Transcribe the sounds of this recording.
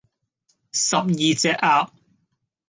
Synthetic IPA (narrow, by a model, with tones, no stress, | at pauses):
sɐ˨p̚jiː˨t͡sɛː˧ʔʔaː˧˥p̚